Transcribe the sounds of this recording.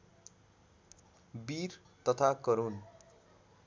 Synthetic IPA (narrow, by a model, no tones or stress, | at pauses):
bir | t̪ʌt̪ʰakʌɾun